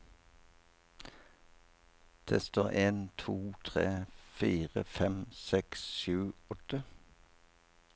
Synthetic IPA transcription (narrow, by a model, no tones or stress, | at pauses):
d̪̥ʰɛːst̪əʔeːnt̪ʰuːt̪ʰʁeːfiːʁə̰fɛmsɛksʃʉːɔt̪ə